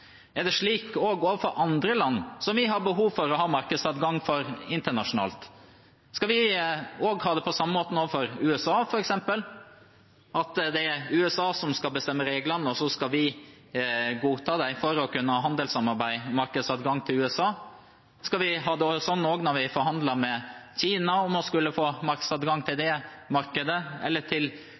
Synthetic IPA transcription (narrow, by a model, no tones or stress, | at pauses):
ɛɖɛʂɭiːkoːɡoːʋəfɔɾʔɑnd̪ɾəlɑnːsɔmʋɪɦɑbəɦuːʋfɔɾɔɦɑːmɑɾkəd̪sɑd̪ɡɑŋːfɔɾɪnt̪əɳɑʂʊnɑ̰ːlt̪ | skɑlʋɪoːɡhɑːd̪ɛpʰɔsɑmːəmoːt̪ən̩oːʋəfɔɾʉːɛsɑːfɔɾɛksɛmpəl | ʔɑt̪d̪ɛæɾʉːɛsɑːsɔmskɑlbəst̪ɛmːəɾeːɡlɑnːɔsɔskɑlʋɪ | ɡuːt̪ʰɑːd̪æɪfɔɾɔkʉnːəhɑːɦɑnd̪əlsɑmɑɾbæɪmɑɾkəd̪sɑd̪ɡɑŋːt̪ʰɪlʉːɛsɑː | skɑlʋɪɦɑːd̪ɛosɔnːoːɡnɔɾʋɪfɔɾɦɑnd̪lɑɾmɛçiːnɑɔmɔskʉlːəfoːmɑɾksɑd̪ɡɑŋːt̪ʰɪld̪ɛmɑɾkəd̪əɛ̰lːət̪ʰɪl